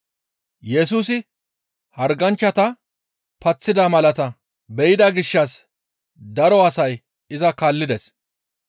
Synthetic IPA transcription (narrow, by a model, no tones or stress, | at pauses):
jɛsuːsɪ | hɐɾɡɐnt͡ʃːɐt̪ɐ | pɐt͡sːɪd̪ɐmɐlɐt̪ɐ | bɛjɪd̪ɐɡɪʃːɐs | d̪ɐɾɔɐsɐj | ɪzɐkaːlːɪd̪ɛs